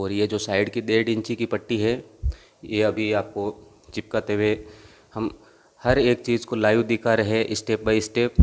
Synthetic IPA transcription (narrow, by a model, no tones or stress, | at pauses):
ɔːɾjed͡ʒoːsaːɪɖkid̪eːɖɪ̃nt͡ʃikipɐʈːiɦɛ | jeɐbʱiaːp̚ko | t͡ʃɪp̚kɐt̪ewe | hɐm | hɐɾeːk̚t͡ʃiːzkolaːjʋd̪ɪkʰaɾɐɦeʔɪsʈeːp̚baiɪsʈeːp̚